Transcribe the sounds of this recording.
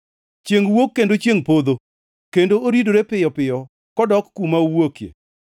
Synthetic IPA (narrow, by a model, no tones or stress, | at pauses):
t͡ʃjeŋwokːendot͡ʃjeŋpod̪o | kendooɾidoɾepɪjɔpɪjɔ | kɔdɔkːumaowokjḛ